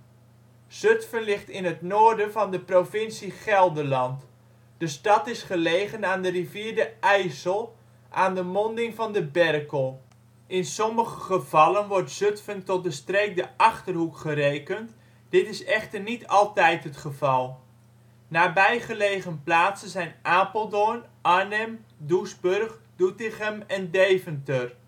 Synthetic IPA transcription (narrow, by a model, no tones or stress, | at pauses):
z̥øtfənlɪχtɪnɦətnoːrdənvɑndəprofɪnsiχɛlˠdəlɑnt | d̥əstɑtɪsχəlejχənaːndəriviːɹdəɛjsəlˠ | ʔaːndəmɔndɪŋvɑndəbɛrkəlˠ | ʔɪnsɔməχəχəv̥ɑlənʋɔrtsɵtfəntɔt̚dəstreːk̚dəʔɑχtərɦukχərejkənt | d̥ɪtɪsɛχtərnitʰɑlˠtɛjtɦətχəvɑlˠ | naːbɛjχəlejχənplaːtsənzɛjnʔaːpəlˠdonʔanəmdusbørχd̥utɪχəmɛndeːvəntər